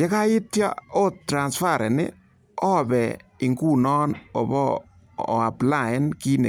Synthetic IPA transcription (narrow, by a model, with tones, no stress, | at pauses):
jɛ˦ka˦ɪ˦tja̰˦o˦tːɾa˨nsfa˦˨ɾɛ˨nɪ̰˦ | ɔ˦bɛ˨ɪ˨ŋɡu˦nɔ˦nɔ̰˨bɔ˦˨ | a˨pla˨ɪ˦nki˦nḛ˨